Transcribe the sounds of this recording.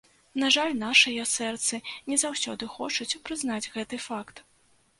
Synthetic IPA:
naʐalʲnaʂɨjɐsɛrt̪sɨnʲɛzawsʲɔd̪ɨxɔt͡ʂut͡sʲpɾɨznad͡zʲɣɛt̪ɨfakt̪

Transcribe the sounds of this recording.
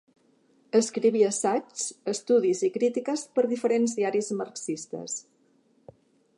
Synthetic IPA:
əskɾiβ̞iəsat͡ʃəst̪uðizikɾit̪ikəspəɾðifəɾenzðiaɾizməɾksist̪ə̰s

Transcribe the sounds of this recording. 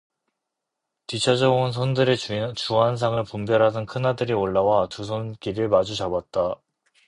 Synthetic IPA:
tit͡ɕʰad͡ʑʌunsʰondɯɾet͡ɕuɦans̬ʰaŋɯɭpumbjʌɾɦadɯnkʰɯnadɯɾioɭːawatusʰonkiɾɯɭmad͡ʑut͡ɕabat̚t͈a

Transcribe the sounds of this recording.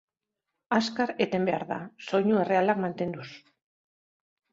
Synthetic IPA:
askaɾet̪e̞mbe̞a̰ɾða̰so̞ɲue̞re̞alakmant̪e̞nd̪us

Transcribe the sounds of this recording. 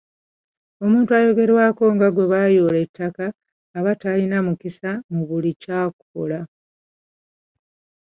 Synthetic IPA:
o̞muːntuajo̞ɡe̞ɾwaːko̞ŋɡaɡwe̞βajoːle̞tːakaː | βatalinamukisamuβulicaːku̥kola

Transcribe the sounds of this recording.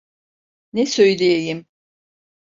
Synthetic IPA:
nɛsø̞jlʲejejim

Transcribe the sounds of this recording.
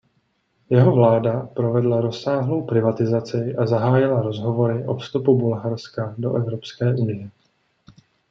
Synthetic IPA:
jɛɦo̞vlaːdapɾo̞vɛdlaɾo̞saːɦlo̞wpɾɪvat̪ɪzat͡sɪʔazaɦaːjɪlaɾo̞zɦo̞vo̞ɾɪʔo̞fst̪upubulɦaɾskado̞̰ʔɛvɾopskɛːʔunɪjɛ

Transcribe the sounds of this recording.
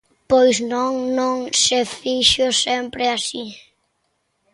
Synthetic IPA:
pojznõŋnõŋsefiʃʊsempɾɪasi

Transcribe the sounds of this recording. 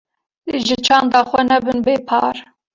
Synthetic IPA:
leʒɪt͡ʃʰɑːnd̪ɑːxʷɛnɛbɨnbeːpʰɑːɾ

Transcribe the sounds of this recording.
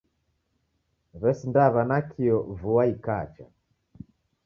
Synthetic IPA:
βɛsindaβanakʰiɔvuwaikat͡ʃa̰

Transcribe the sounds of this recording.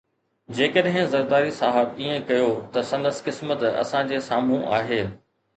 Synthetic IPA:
d͡ʑeːkəɗɦɪ̃zɐɾd̪aːɾisaːɦəbiːẽkɐjot̪ɐsɐ̃nd̪əskɪsmət̪ɐ̰sãd͡ʑeːsaːm̤ũʔa̰ːɦeː

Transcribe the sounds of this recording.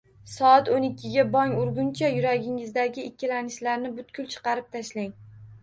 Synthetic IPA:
sɒat̪onɪkʲʰːɪɡʲabɒŋʊɾɡʲʊnt͡ʃʰajʊɾaɡʲɪŋɪzd̪aɡʲɪɪkʲʰːɪlanɪʃlaɾnɪbʊt̪kʰʲʊlt͡ʃʰɨ̥qɑɾɪp̚t̪ʰaʃlaŋ

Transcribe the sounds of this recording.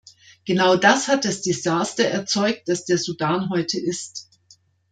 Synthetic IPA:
ɡ̥ənaʊdashat̚d̥asd̥ezaːstɐʔɛɐt͡sɔʏk̚t̚d̥asd̥eːɐzudaːnɦɔʏtʰəʔɪst

